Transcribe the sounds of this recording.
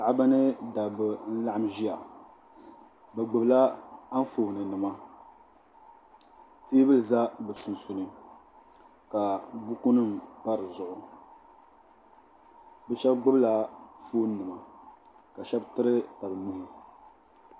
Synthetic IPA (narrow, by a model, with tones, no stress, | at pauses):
ta˨ʔa˦ba˦nɨ˦da˨bɨ˨n̩˦la˦ʔa˦mʒi˦ja˨ | bɛ˨ɡ͡bʊ˨bla˦a˦n˦foː˨nɨ˨nɨ˨ma˦ | ti˦bɨ˦lɨ˨za˦bɛ˨su˨nso˨nɨ˨ | ka˨bu˦ku˦nɨ˦m˨pa˦ɾɨ˨zʊ˨ʔʊ˨ | bɛ˦ʃɛ˦bɡ͡bʊ˦bla˦foː˦n˦nɨ˨ma˨ | ka˨ʃɛ˦btɨ˦ɾɨ˦ta˨bɨ˨mo˦ji˨